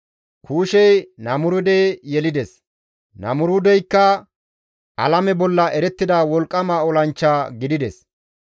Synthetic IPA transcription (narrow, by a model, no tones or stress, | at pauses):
kʰuːʃɛjnɐmʊɾʊd̪eːjɛlɪd̪ɛs | nɐ̰mʊɾʊd̪ɛjkːɐ | ʔɐ̰lɐmɛbɔlːɐʔɛɾɛt̪ːɪd̪aːwɔlkʼːɐmaːɔlɐnt͡ʃːaːɡɪd̪ɪd̪ɛs